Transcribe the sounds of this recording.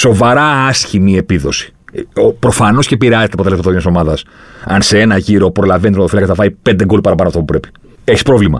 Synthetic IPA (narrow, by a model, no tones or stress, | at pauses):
so̞vɐɾɐɐsçimie̞piðo̞si̥ | pɾofɐno̞sce̞piɾeɐzet̪eɐpot̪elsmɐt̪onɐso̞mɐðɐsɐ̰nse̞e̞nɐʝiɾo̞pɾo̞lɐvent̪ot̪oilɐkɐθɐvɐipend̪eɡo̞lipɐɾɐpɐnoɐft̪ɐp̬upɾe̞pi̥ | e̞çispɾo̞vlimɐ̰